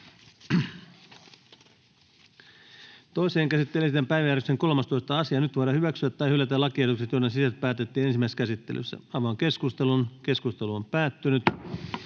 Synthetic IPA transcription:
t̪o̞iseːŋkæsit̪ːelesit̪empæjʋæjærekseŋko̞lmɑst̪o̞ist̪ɑɑsiɑnyt̪ʋoɑɾɑhyʋæksyæt̪ːɑjhylːæt̪ælɑkiet̪ukset̪jonːesisæt̪̚pæːt̪et̪ːiːne̞nsimæˑiskæsit̪ːḛlʔy̰sːæ̰ɑiʋɑŋke̞skust̪elunke̞skust̪eluompæːt̪ːynyt̪

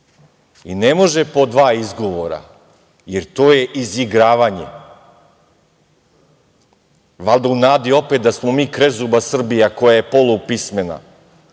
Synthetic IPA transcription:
inemo̞ʒe̞po̞d̪ʋaːizɡo̞ʋoɾa̰ | jeɾt̪oːje̞ʔiziɡɾaːʋaːɲḛ | ʋalˠd̪ounaːd̪io̞pet̪̚d̪asmo̞miːkɾe̞zubasr̩bijako̞jaje̞po̞lˠupisme̞na̰

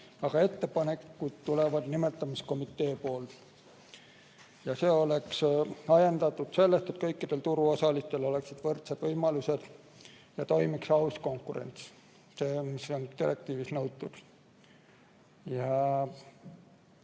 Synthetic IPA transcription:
ɑɡ̥ɑe̞t̪ːe̞pɑne̞kːud̪̥t̪ːulevɑd̪nime̞t̪ːˑɑmisko̞mit̪ˑːe̞ːpo̞ːl | jɑse̞ːo̞le̞ksɑjend̪ɑt̪ːˑud̪̥se̞lːest̪e̞t̪̚kɤjkːid̪̥e̞lt̪uɾuo̞sɑlist̪e̞lo̞le̞ksid̪̥vɤrt̪sed̪̥vɤjmɑluse̞d̪̥ | jɑt̪o̞jmiksɑusko̞ŋkːˑuɾḛnʲt̪s | seːmisont̪iɾe̞k̚t̪iːvisnɤwt̪ːud̪̥ | jɑ

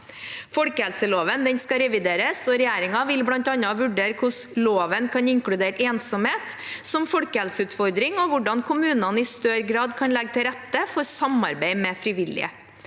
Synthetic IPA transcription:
fɔlkəhɛlsəloːʋənd̪ɛnskɑɾɛʋɪd̪eːɾəsɔɾɛjæːɾɪŋɑʋɪlblɑnt̪ɑnːɑʋʉɖeːɾkʰʊs | loːʋənkʰɑnɪŋkɽʉd̪eːɾəʔeːnsɔmheːt̪sɔmfɔlkəɛlsəʉːt̪fɔɾd̪ɾɪŋɔʋʊɖɑnkʰʊmʉːnɑnɪst̪œɾɡɾɑːd̪kʰɑnlɛɡt̪ʰɪlɾɛt̪ːəfɔɾsɑmɑ̰ɾbeɪmɛfɾɪʋɪlɪ̰ə̰

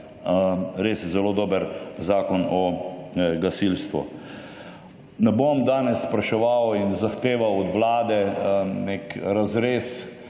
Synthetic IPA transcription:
ɾeːsjɛzɛloːd̪oːbəɾzaːkɔnɔ | ɡasilst̪ʋṵ | nɛbomd̪aːnɛsːpɾɐʃɛʋawinzaxt̪eːʋawɔd̪ʋlaːd̪ɛnekɾazɾeːs

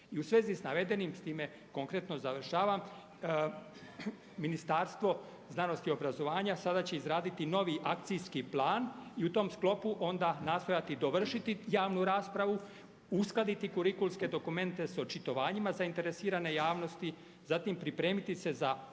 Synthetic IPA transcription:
iusʋe̞ːzisnaʋe̞d̪e̞nimst̪iːme̞ | ko̞ŋkɾe̞t̪no̞zaʋr̩ʃaːʋam | minist̪aːɾst̪ʋo̞ | znano̞st̪io̞bɾazo̞ʋaːɲasad̪at͡ɕe̞izɾaːd̪it̪ino̞ʋiʔakt̪sijskiplˠaːniut̪o̞ːmsklˠo̞puʔo̞nd̪anaːst̪o̞jat̪id̪o̞ʋr̩ʃit̪ijaːʋnuɾaːspɾaʋu | usklad̪it̪ikuɾikulˠske̞d̪o̞kume̞nt̪e̞so̞t͡ʃit̪o̞ʋaːɲimazaint̪e̞ɾesiːɾane̞jaːʋno̞st̪i | zat̪impɾipɾe̞ːmit̪ise̞za

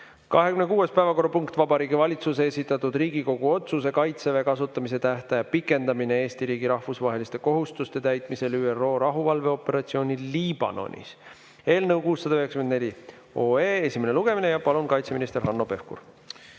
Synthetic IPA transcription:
kɑɦekymne̞kuːe̞spæevɑko̞rupuŋkt̪ˑvɑbɑɾiːɡivɑlʲit̪sus̬eesʲit̪ːˑɑt̪ːˑud̪̥riːɡ̥iko̞ɡ̥uo̞t̪suse̞kɑjt̪seve̞kɑs̬ut̪ːˑɑmise̞t̪æht̪ɑjɑpikˑːe̞nd̪ɑminee̞ːst̪iɾiːɡiɾɑhfusvɑɦe̞list̪e̞ko̞ɦust̪ust̪e̞t̪æjt̪ˑmise̞lyːero̞ːɾɑɦuvɑlve̞o̞pːˑe̞ɾɑt̪sio̞ːnʲiliːb̥ɑ̰no̞̰nʲḭs | e̞ːlnɤwkuːsːɑd̪ɑøhekskyend̪ne̞lʲi | oːeːesʲime̞neluɡ̥e̞mine̞jɑpɑlunkɑjt̪seminist̪e̞ɾɦɑnːo̞pe̞fkṵr

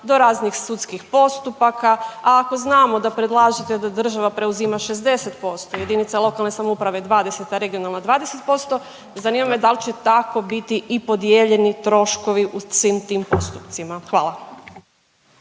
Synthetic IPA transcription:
d̪o̞ɾaːznixsut̪skixpo̞st̪upakaaːko̞znaːmo̞d̪apɾed̪lˠaːʒet̪e̞d̪ad̪r̩ʒaʋapɾe̞uzimaʃe̞zd̪e̞se̞t̪po̞st̪oje̞d̪init̪salˠo̞kalˠne̞samoupɾaʋe̞d̪ʋaːd̪e̞se̞t̪aɾe̞ɡio̞nalnad̪ʋaːd̪ese̞t̪̚po̞st̪o̞ | zaniːmamed̪alt͡ɕe̞t̪ako̞bit̪iʔipo̞d̪jeːʎe̞nit̪ɾo̞ʃko̞ʋiʔusʋiːmt̪iːmpo̞̰st̪upt̪simaxʋa̰ːlˠa

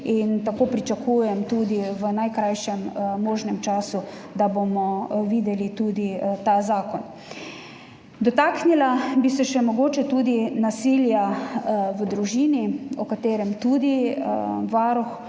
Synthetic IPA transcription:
int̪akoːpɾit͡ʃakuːjɛmt̪uːd̪iʋənajkɾajʃɛmːoːʒnɛmt͡ʃaːsu | d̪abomɔʋiːd̪ɛlit̪ud̪it̪azaːkɔn | d̪ɔt̪aːknilabisɛʃɛmɔɡoːt͡ʃɛt̪uːd̪inasilja | ʋəd̪ɾuʒiːniɔkat̪eːɾɛmt̪uːd̪i | ʋaɾɔx

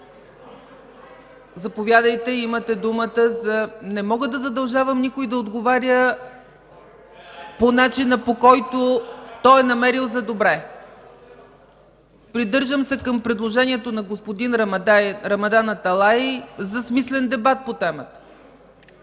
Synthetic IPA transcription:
zɐpovʲjad̪əjt̪ɛimət̪ɛd̪umət̪əzɐnɛmɔɡəd̪ɐzɐd̪ɐlˠʒavəmnikoid̪ɐod̪ɡovaɾʲjə | ponat͡ʃinəpokɔjt̪ot̪ɔjɛnɐmɛɾilˠzɐd̪obɾɛ | pɾid̪ɤɾʒəmsɛkɐmpɾɛd̪lˠoʒɛnʲiɛt̪onɐɡospod̪inɾmɾɐmɐd̪anɐt̪ɐlˠaizɐsmislɛnd̪ɛbat̪̚pot̪ɛmət̪ə̥

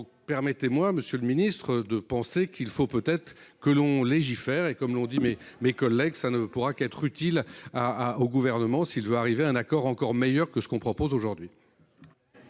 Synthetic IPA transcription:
d̪ɔ̃k̚pɛʁmɛt̪emwaməsjøləminist̪χəd̪əpɑ̃sekʰilfopøt̪ɛt̪χ | kəlɔ̃leʒifɛʁekɔmlɔ̃d̪imemekɔlːɛɡsanəpuʁakɛt̪χyt̪ilaoɡuvɛʁnəmɑ̃silvøaʁiveaɛ̃nakɔʁɑ̃kɔʁmejœʁkəsə̥kɔ̃pχɔpozoʒuʁd̪ɥi

